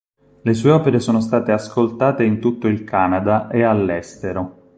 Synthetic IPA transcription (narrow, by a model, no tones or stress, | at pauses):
les̬uːeɔːpeɾesoːnos̬t̪aːt̪easkolt̪aːt̪eint̪ut̪ːoilkaːnad̪aʔealːɛst̪eɾo